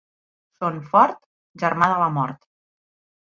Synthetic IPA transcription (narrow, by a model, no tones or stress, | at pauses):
sonfɔɾt̪ | ʒəɾmaðələmɔɾt̪